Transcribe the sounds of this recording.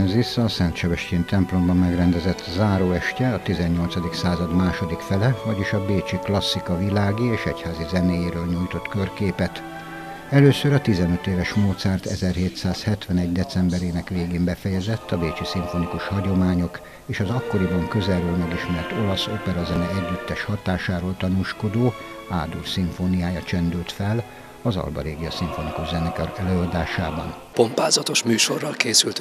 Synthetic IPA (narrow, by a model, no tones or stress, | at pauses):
zisɒsɛnt̪ʃɛbɛʃceːnt̪ɛmplo̞mbɒmmɛɡrɛnd̪ɛzɛt̪zaːɾoːɛʃcɛɒt̪izɛɲːo̞lt̪sɒd̪iksaːzɒd̪maːʃo̞d̪ikfɛlɛvɒɟiʃɒbeːt͡ʃiklɒsːikɒvilaːɡieːʃɛ̰chaːzizɛneːjeːɾøːlɲuːjt̪o̞t̪kørkeːpɛt̪ | ɛløːsøɾɒt̪izɛnøt̪eːvɛʃmoːt̪sɛːrt̪ɛ̰zɛrheːt̪saːshɛt̪ʋɛnɛɟd̪ɛt̪sɛmbɛɾeːnɛkʋeːɡeːmbɛfɛjɛzɛt̪ːɒbeːt͡ʃisiɱfo̞nikuʃhɒɟo̞maːɲo̞k | eːʃɒzɒkːo̞ɾibɒŋkøzɛrøːlmɛɡiʃmɛrt̪o̞lɒso̞pɛɾɒzɛnɛɛɟːyt̪ːɛʃhɒt̪aːʃaːɾoːlt̪ɒnuːʃko̞d̪oː | aːd̪ursiɱfonijaːjɒt͡ʃɛnd̪ylt̪fɛl | ɒzɒ̰lbɒ̰ɾeːɡijɒsiɱfo̞nikuʒzɛnɛkɛɛløːɒd̪aːʃaːbɒ̰n | pompaːzɒt̪o̞ʃmyːʃo̞rːɒlkeːsylt̪